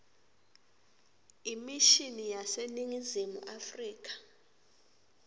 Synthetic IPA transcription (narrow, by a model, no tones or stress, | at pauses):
imiʃinijaseniŋizimṵʔafriːk̬ʼḁ